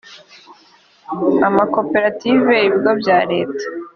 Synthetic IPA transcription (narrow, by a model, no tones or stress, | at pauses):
amako̞pe̞ɾative̞iβiɡobɟaːɾe̞ːtḁ